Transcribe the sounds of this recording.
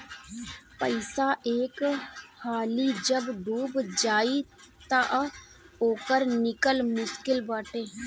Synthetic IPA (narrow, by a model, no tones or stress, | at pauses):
pəɪsaʔeːkhaːliːd͡ʒəbɖuːbd͡ʒaːit̪aʔ | oːkəɾnɪkəlmʊskɪlbaːʈeː